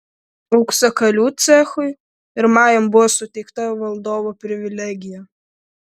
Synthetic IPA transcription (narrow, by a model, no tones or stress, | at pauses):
ɐʊksɐkɐlʲuːt̪sʲɛxʊɪ | ɪɾmɑːjɛmbʊʋɔsʊt̪ʲɛɪkt̪ɐʋɐlˠd̪oːʋopʲɾʲɪʋʲɪlʲɛɡʲɪjɛ